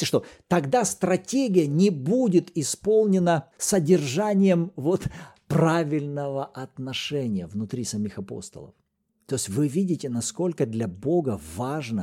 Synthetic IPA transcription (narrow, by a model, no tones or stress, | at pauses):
ɪʂt̪ot̪ɐɡd̪ast̪ɾɐtʲeɡʲɪjənʲɪbudʲɪt̪ɪspo̞lˠnʲɪnəsədʲɪrʐanʲɪjəmvo̞t̪pravʲɪlʲnəvəʔɐt̪nɐʂɛnʲɪjəvnʊt̪ɾʲisɐmʲixɐpo̰st̪ə̰lˠə̰f | t̪oɪsʲvɨvʲidʲɪtʲɪnɐsko̞lʲkəd̪lʲɐbo̞ɡəvaʐnə